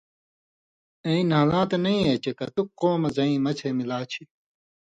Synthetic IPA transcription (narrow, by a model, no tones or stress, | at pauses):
eĩnɦaːlãːt̪enɐĩet͡ɕekɐt̪ukqoːmɐzɐĩːmɐt͡ɕʰemilaːt͡ɕʰi